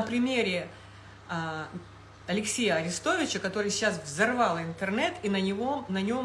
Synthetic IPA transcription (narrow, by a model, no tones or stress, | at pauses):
əpɾʲɪmʲeɾʲɪ | ɐlʲɪksʲejəɐɾʲɪst̪o̞vʲɪt͡ɕəkɐt̪o̞ɾɨjsʲɪɕasvzɐrvɑlˠɪnt̪ɨrnɛt̪inʲɪvonɐnʲo̞m